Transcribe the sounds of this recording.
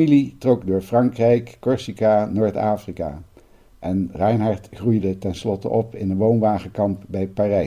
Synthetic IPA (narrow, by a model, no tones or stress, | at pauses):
ilitrɔkdʊːɹfrɑŋkrɛjkːɔɹsikaːnoːɹta̰ːfrika̰ː | ʔɛnrɛjnɦɑɹtχrujdətɛnslɔtə̰ʔɔpɪnənʋownʋaːχəkɑmp̚bɛjpaːrɛ